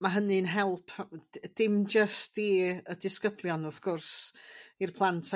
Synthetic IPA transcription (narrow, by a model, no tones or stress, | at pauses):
maɦənɨnɦɛlˠpʰd̥ɪmd͡ʒəstd̥iːədɪskəblˠjɔnɔθɡʊrsirpʰlˠantʰa